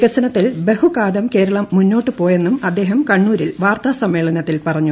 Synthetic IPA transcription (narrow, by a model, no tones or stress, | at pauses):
kɐsɐnɐt̪ːilbe̞hukaːd̪ɐmke̞ːɾɐɭɐmːunːo̞ːʈːɨpo̞ːje̞nːumɐd̪ːe̞ːɦɐmkɐɳːuːɾilʋaːrt̪aːsɐmːe̞ːɭɐnɐt̪ːilpɐrɐɲːu